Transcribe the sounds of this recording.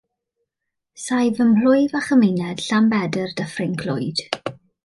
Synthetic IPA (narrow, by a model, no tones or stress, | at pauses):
sajvəml̥ʊjvaχəmɪjnɛd̥ɬambɛdərdəfrɪŋkʰlʊjd̥